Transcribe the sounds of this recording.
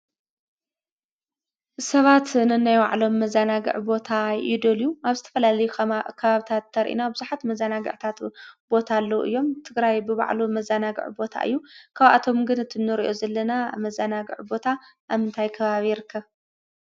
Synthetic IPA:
sɐβat̪nɨnajwa̰ʕlo̞mːɐzanaɡɨ̰ʕbo̞t̪ʰaɪd̪oljuaβzɨt̪ʰɐ̥fɐlalɐjukʰkʰɐβaβit̪ʰat̪ʰːɐɾʔḭnabɨzuħat̪mɐzanaɡɨ̰ʕt̪ʰat̪b̥o̞t̪ʰalːɐʔɨ̰jːo̞mt̪ʰɨɡɾajbɨβa̰ʕlumɐzanaɡɨ̰ʕbo̞t̪ʰa̰ʔɨ̰jːukʰaβa̰t̪ʰo̞mɡɨnɨt̪ʰɨnːɨɾḭʔo̞zɐlːɐnamɐzanaɡɨ̰ʕbo̞t̪ʰaʔaβɨnt̪ʰajkʰɐβaβijɪɾɨkʰːɐβ

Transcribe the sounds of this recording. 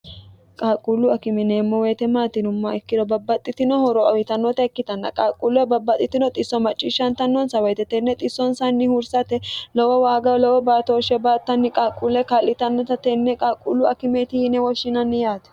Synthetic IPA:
kʼaːkʼːulːʊɐkɪmɛneːmːɔweːt̪ɛmaːt̪ɪnʊmːɐɛkːɪd̪ɔbɐbːɐt̪ʼːɪt̪ɪnɔhɔɾɔɐwɪt̪ɐnːɔt̪ɐɛkːɪt̪ɐnːɐ̰kʼaːkʼːulɛbɐbːɐt̪ʼːɪt̪ɪnɔt̪ʼɪsːɔmɐt͡ʃʼːiʃːɐnt̪ɐnːɔnsɐwɛjt̪ɛt̪ɛnːɛt̪ʼɪsːɔnsɐnːɪhʊɾsɐt̪ɛlɔwɔwaːɡɐlɔwɔbaːt̪ɔːʃɛbaːt̪ːɐnːɪkʼaːkʼːulːɛkalːɪt̪ɐnːɔt̪ɐt̪ɛnːɛkʼaːkʼːulːʊɐkɪmɛt̪ɪhɪnɛwɔʃːɪnɐnːɪjaːt̪ɛ̥

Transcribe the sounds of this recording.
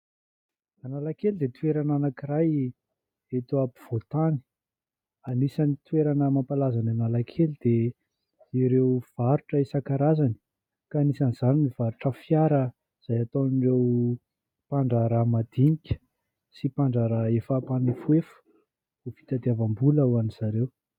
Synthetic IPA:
analakelid̪et̪ueɾananakiraj | et̪uapi̥v̥ot̪ani̥ | anisanit̪ueɾanəmampalazananalakʰelid̪̥e | iɾewv̥aɾuʈ͡ʂəesakaɾazani̥ | kaːnisaniz̥animiv̥aɾuʈ͡ʂəfjaɾə | z̥ajat̪onrew | paɳɖ͡ʐaɾamad̪iɲikʲə̥ | sipaɳɖ͡ʐaɾəefapanifuefə̥ | ufi̥t̪ad̪iavambuləuaniz̥aɾew

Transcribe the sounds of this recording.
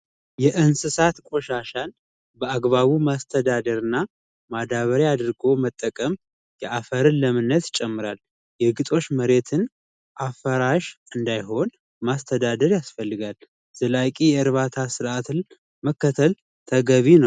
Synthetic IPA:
jɛʔɨnsɨsat̪kʷʼo̞ʃaʃan | bəaɡβaβumast̪ʰəd̪ad̪əɾɨnːa | mad̪aβəɾjad̪ɨɾɡo̞mət̪ʼːəkʼəm | jɛʔafəɾɨnləmɨnːət̪t͡ʃʼɛmːɨɾal | jɛɡɨt̪ʼo̞t͡ʃːməɾe̞t̪ʰɨn | ʔafəɾaʃɨnd̪ajɦo̞n | mast̪ʰəd̪ad̪əɾjasfəlːɨɡal | z̥əlakʼijɛɨɾβat̪ʰasɨɾʔat̪ʰɨn | məkːət̪ʰəl | t̪ʰəɡəβinəw

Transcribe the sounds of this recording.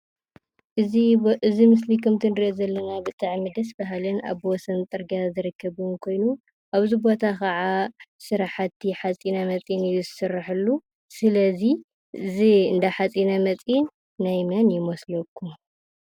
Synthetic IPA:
ʔɨiɨzimɨs̬likʰɨmt̪ʰɨnd̪ɨozɐlːɐnabɨt̪ʼaʕmɨd̪ɐsbaɦalɨna̰βwɔsɐnt̪ʼɨɾɡazɨɾɨkːɐβɨnkʰo̞jnu | ʔaβzibo̞t̪ʰakʰɐʕasɨɾaħat̪ʰːiħat͡sʼinamɐt͡sʼjinjuzɨsɨrːaħɨlːu | sɨlɐzi | ɨziɨnd̪aħat͡sʼinamɐt͡sʼjinː | ajmɐnjɪmoslɐkʰːu

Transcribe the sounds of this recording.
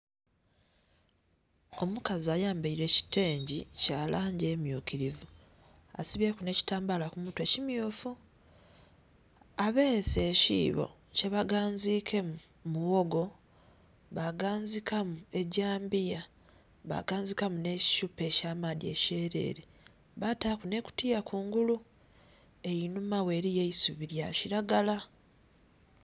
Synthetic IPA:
omukaziajaːmbeiɾe̞ci̥te̞ːɲɟicaːlʔaːɲɟe̞ːmjuːkiɾivu | a̰siβjekune̞ci̥taːmbalakumutwe̞cimjuːfu | aβeːse̞ːcḭːβo̰ | ce̞βaɡaːɲzikʰe̞ | muwo̞ɡo̞ | βaɡaːnzikamue̞ɟaːmbija | βa̰ɡaːnzikamune̞ci̥ʃupe̞caːmadie̞̰ce̞ɾe̞̰ːɾe | βataːkune̞ku̥tijakʰuːŋɡulu | e̞jinumawe̞ɾijeisuβiɾja̰ciɾaɡala

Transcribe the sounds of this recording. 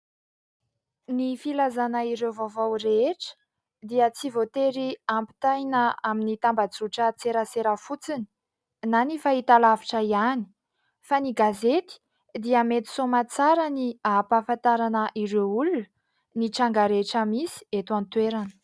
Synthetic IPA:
nifilazanəiɾewvavawɾeeʈ͡ʂə̥ | d̪iət͡sivot̪eɾiampi̥t̪ajnəaminit̪ambad͡zuʈ͡ʂət͡seɾəseɾəfut͡sini̥ | nanifait̪alavi̥ʈ͡ʂəiani̥ | faniɡazet̪i̥ | d̪iəmet̪i̥somat͡saɾəniapafant̪aɾanəʔiɾeulunə | niʈ͡ʂaŋɡaɾeʈ͡ʂəmisi̥et̪uant̪weɾanə̥

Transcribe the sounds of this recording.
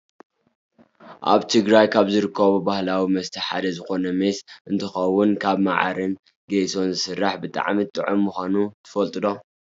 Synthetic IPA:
ʔa̰βt̪ʰɨɡɾajkʰaβzɨɾɨkʰːɐβubahlawimɐst̪ʰɐħa̰d̪ɐzɨxo̞nɐmesʔɨnt̪ʰɨxɐwːʊnkʰaβma̰ʕa̰ɾɨn | ɡeso̞nzɨsɨrːaħbɨt̪ʼa̰ʕmit̪ʼɨʕomːuxʷanut̪ʰɨ̥fɐlt̪ʼɨd̪o̞

